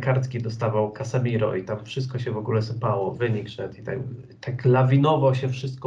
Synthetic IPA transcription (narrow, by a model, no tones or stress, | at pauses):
kaɾt̪kʲid̪ɔst̪avawkasamʲiɾɔ̰it̪amfʂɘst̪kɔɕɛvɔɡulɛsɘpawɔvɘɲikʂɛt̪it̪a̰ | t̪aklavʲinɔvɔwɕɛfʂɘst̪̚kɔ